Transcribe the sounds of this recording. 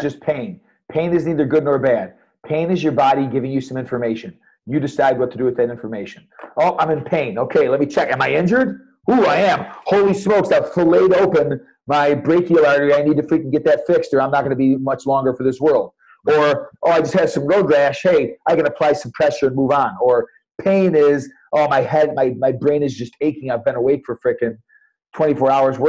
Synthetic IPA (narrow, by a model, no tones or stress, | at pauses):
d͡ʒʌspʰẽɪ̃n | pʰẽɪ̃nɨzniðə˞ɡʊdⁿnə˞bæd̚ | pʰẽɪ̃nɨzjə˞bɑɾiɡɪvɪ̃ŋjɨsʌ̃mɪ̃ɱfə˞meɪʃɨ̃n | jɨdɨsaɪd̚wʌtʰɨdɨwɨðɨɾɪ̃ɱfə˞meɪʃɨ̃noʊʔãɪ̃mɨ̃npʰẽɪ̃noʊkʰeɪlɛt̚mit͡ʃʰɛkɨ̃maɪɪ̃nd͡ʒə˞d̚ | huaɪɨ̃mhoʊlˠismoʊksafleɪɾoʊpɨ̃n | maɪbɹeɪkilˠɑɹɾiaɪnid̚tɨfɹikn̩ɡɛt̪̚ðɨtfɪkstə˞ãɪ̃mnət̚ɡ̥ʌnəbimʌt͡ʃlɔ̃ŋɡə˞fə˞ðɪswɜ˞lˠd̥̚ | ə˞ʔoʊaɪd͡ʒʌst̚hɨv̥sʌ̃mɹoʊdɹæʃheɪaɪɡʌnɨpʰl̥aɪsʌ̃mpʰɹ̥ɛʃə˞ɨ̃nmuvn̩ə˞ | pʰẽɪ̃nɪz | ʔoʊmaɪɦɛd̚maɪmaɪbɹẽɪ̃nɨzd͡ʒʌsteɪkɪ̃ŋaɪvbɨ̃ñəweɪkfə˞fɹɪkɨ̃n | tʰw̥ɛ̃ɾ̃ifɔɹaʊə˞zwɜ